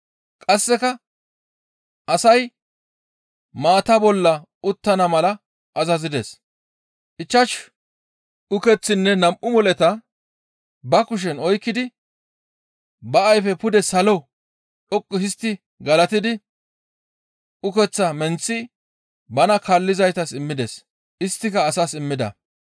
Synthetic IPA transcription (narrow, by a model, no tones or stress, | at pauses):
kʼɐsːɛkɐ | ʔɐsɐj | maːt̪ɐbɔlːɐ | ʊt̪ːɐnɐmɐlɐ | ʔɐzɐzɪd̪ḛːs | ʔɪt͡ʃːɐʃ | ʊkɛt͡sːɪnːɛnɐmʔʊmɔlɛt̪ɐ | bɐkʊʃ̬ɛnɔjkːɪd̪ɪ | bɐɐjfɛpʊd̪ɛsɐlɔ | ɗɔkʼːʊhɪst̪ːɪ | ɡɐlɐt̪ɪd̪ɪ | ʊkɛt͡sːɐmɛnt͡sːɪ | bɐnɐkɐlːɪzɐjt̪ɐsɪmːɪd̪ɛs | ʔɪst̪ːɪkɐːsɐsɪmːɪd̪ɐ̰